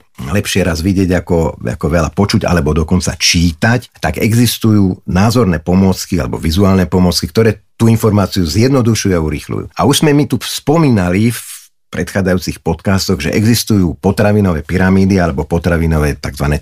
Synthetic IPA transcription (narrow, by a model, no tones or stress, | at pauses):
lɛpʃɪɛɾazʋiɟɪɛɟakɔa̰kɔʋɛla̰pɔt͡ʃuɟa̰lɛbɔd̪ɔkɔnt͡sa̰t͡ʃiːt̪act̪aɡɛɡzist̪ujuːnaːzɔɾnɛːpɔmʊɔt͡skia̰lɛ̰bɔ̰ʋizuaːlnɛpɔmɔt͡skik̚t̪ɔɾɛːt̪uinfɔɾmaːt͡siuzɪjɛd̪nɔd̪uʃujuauɾḭxlṵjṵːauʒzmɛmit̪uspɔmiːnalif | pɾɛt̪xaːd͡zajuːt͡sixpɔt̪kaːst̪ɔɣʒɛ̰ʔɛɡzist̪ujuːpɔt̪ɾaʋinɔʋɛːpiɾamiːd̪ialɛbɔpɔt̪ɾaʋinɔʋɛːt̪aɡzʋanɛː